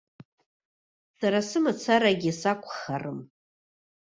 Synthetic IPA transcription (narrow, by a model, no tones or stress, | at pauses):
saɾasɨmat͡sʰaɾaɡʲisakʷʰʼχarɨm